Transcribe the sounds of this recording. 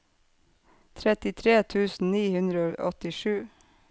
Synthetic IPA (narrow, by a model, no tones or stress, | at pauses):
t̪ʰɾɛt̪ɪt̪ʰɾeːt̪ʰʉːsn̩niːhʉnd̪ɾəoːʔɔt̪ɪʃʉː